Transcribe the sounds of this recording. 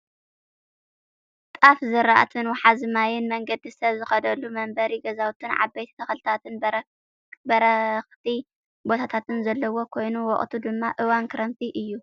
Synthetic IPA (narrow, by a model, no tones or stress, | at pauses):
t̪ʼafzɨɾaʔt̪ʰɨnwɔħazɨmajɪnmɐŋɡɐd̪isɐβzɨxɐd̪ɐlːumɐmbɐɾiɡɐzawt̪ʰɨnʕa̰bejt̪ʰi̥t̪ʰɐxlɨt̪ʰat̪ɨn | bɐɾɐxt̪ʰi | bo̞t̪ʰat̪ʰat̪ʰɨnzɐlːɐwo̞kʰo̞jnuwɔχʼt̪ʰud̪ɨmːaʔɨwankʰɨɾɐmt̪ʰiʔɨjːu